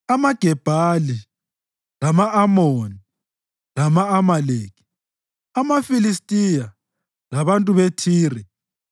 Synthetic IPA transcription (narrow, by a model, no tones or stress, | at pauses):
amaɡ̥ʱɛb̥ʱali | lamaʔːmoni | lamaːmaleːki̥ | amafilistʼija | laβantʼuβetʰiːrɛ